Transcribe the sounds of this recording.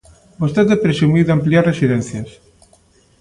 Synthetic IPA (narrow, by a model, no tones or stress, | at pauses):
bost̪eðepɾesumiðampliaɾresiðɛn̟θjas